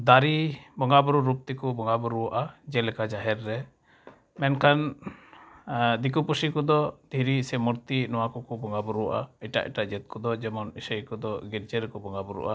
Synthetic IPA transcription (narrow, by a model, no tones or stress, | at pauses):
d̪aɾibɔŋɡabuɾuɾup̚t̪ikɔbɔŋɡabuɾuwaʔad͡ʒɛlɛkad͡ʒaɦɛɾːɛ | mɛnkan | d̪ikupusikɔd̪ɔd̪̥ʱiɾisɛmuɾt̪inɔwakɔkɔbɔŋɡabɔɾuwaʔa̰iʈa̰ʔḭʈaʔd͡ʒɛt̪̚kɔd̪ɔd͡ʒɛmɔnisəjkɔd̪ɔɡiɾd͡ʒɛɾɛkɔbɔŋɡabɔɾṵʔa